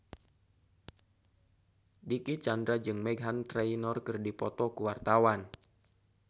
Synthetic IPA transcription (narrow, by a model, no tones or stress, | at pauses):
dikit͡ʃandɾad͡ʒɨŋmɛɡɦant̪ɾɛinɔrkɨrdipɔt̪ɔkuwart̪awan